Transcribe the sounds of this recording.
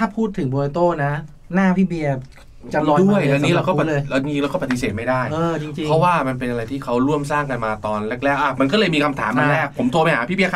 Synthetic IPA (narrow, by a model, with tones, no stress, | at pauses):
tʰaː˥˩pʰuː˥˩t̪ʰːɯ˩˦ŋbo˧i˧t̪oː˥˩na˦˥ | naː˥˩pʰiː˥˩bi˧ɐ | t͡ɕa˨nɔː˧du˥˩əja˧nni˦˥ɾa˧kɔː˥˦pa˨˩˦lːjt͡ɕi˧ŋt͡ɕi˧ŋɾa˧˦wkɔ˥˩pa˧˩t̪i˧seː˨˩t̪̚ma˥˩jdaː˥˩jʔɤː˧t͡ɕi˧ŋt͡ɕi˧pŋʰɔ˦˥waː˥˩ma˧npe˧nʔa˧ɾa˧jt̪ʰiː˥˩kʰa˦˥wɾu˥˩əmsaː˥˩ŋka˧nmaː˧t̪ɔː˧nlɛ˦˥k̚lɛː˦˥˩ʔa˧˩ma˧nkɔ˥˩lɤː˧jmiː˧kʰa˧mt̪ʰa̰ː˩˦ma˧˥˧lɛː˥˩k̚pʰo˩˦mt̪ʰu˧pa˧jha̰ː˩˦pʰiː˥˩bi˧ɐkʰa˥